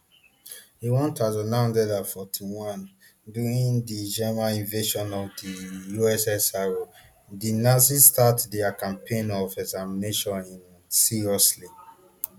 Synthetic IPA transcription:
iwɔ̃ntazɔnãw̃ndɛdafɔtʰiwɔ̃n | duɹĩndid͡ʒɛmãnĩnveʃɔ̃nɔvdijuɛsɛsaɹo | dinasistatdɛakãmpʰẽnɔvɛɡzamineʃɔ̃nĩn | siɹiɔsli

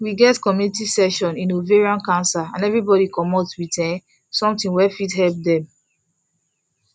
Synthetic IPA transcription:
wiɡɛtkɔmjunitisɛʃɔ̃nĩnoveɹiɔ̃nkãnsaã̰nɛvɹibɔɾikɔmɔtswitɛ̃ | sɔ̃mtĩŋwɛfidɦɛlp̚dɛ̃m

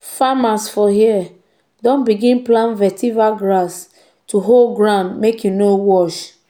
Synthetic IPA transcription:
famasfɔɦiɛ | dɔ̃nbiɡĩnplãnvɛtivaɡɾas | tuɦolɡɾãʊ̃ndmekjunowɔʃ

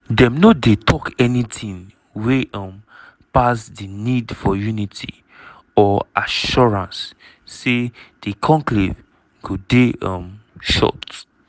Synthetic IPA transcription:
dɛ̃mnodetʰɔkɛnitʰĩn | weʌ̃m | pasdinidfɔjunitʰḭ | ɔaʃɔɹãnsː | ed̥ikʰɔ̃ŋklḛv | ɡ̥odeɔ̰̃mʃɔ̰t

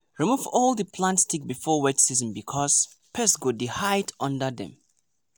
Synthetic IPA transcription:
ɹimuvɔlˠdəpʰlãntstʰik̚bifɔwɛtsizɔ̃nbikʰɔs | pʰɛsɡodihajtʰãndədɛ̰̃m

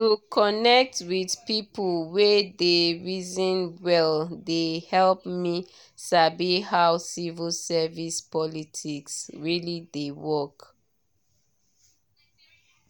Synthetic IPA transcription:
tukʰɔnɛk̚twidpipulwedeɹizɔ̃nwɛldehɛlpmi | sabihawsivilsɛvispɔlitʰiksɹilidewɔk

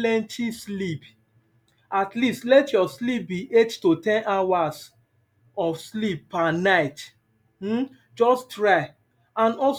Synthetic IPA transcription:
lɛ̃ntʰislip | atlistlɛtjɔslip̚biʔettotɛ̃nʔawas | ɔfslipːanaɪt | m̩ | d͡ʒɔstɹaɪ | ãnɔs

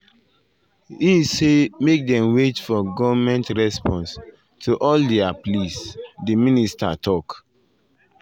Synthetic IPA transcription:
isemek̚dɛ̃mwet͡ʃfɔɡɔvmɛ̃ntɹɛspɔ̃ns | tʰuʔɔldeaplisdiminista̰tʰɔk

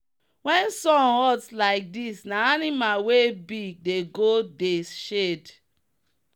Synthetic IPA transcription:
wɛ̃nsɔ̃nhɔdslaɪk̚disnaanimalwebiɡ̚deɡodeʃed

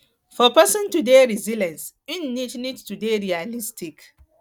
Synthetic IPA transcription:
fɔpɛsɔ̃ntudeːɹizilɛ̃ns | ɪnːitnidtudeɹialistʰɪk

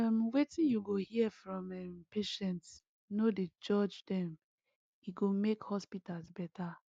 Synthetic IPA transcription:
ɛmwetĩnjuɡohiɛfɹɔ̃mɛmpeʃɛ̃nts | noded͡ʒɔd͡ʒdɛ̃m | iɡomekhɔspitalsbɛta

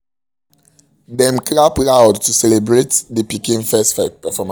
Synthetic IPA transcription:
dɛ̃mklaplawdtusɛlebɹetdəpikĩnfɛstfɛpɛfɔma

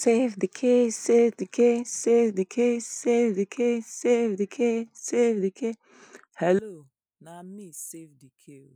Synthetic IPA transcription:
sevdikʰesevdikʰesevdikʰesevdikʰesevdikʰesevdikʰe | hɛlo | namisevdikʰe

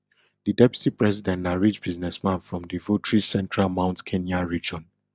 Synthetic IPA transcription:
didɛpju̥tipɹɛsidɛ̃ntnaɹit͡ʃb̥iznɛsmãnfɹɔ̃mdivotɹisɛ̃ntʰɹalmãʊ̃ntkʰẽnjaɹid͡ʒɔ̃n

